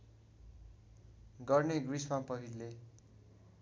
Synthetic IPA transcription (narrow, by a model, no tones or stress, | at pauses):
ɡʌrneɡrismapʌɦilːe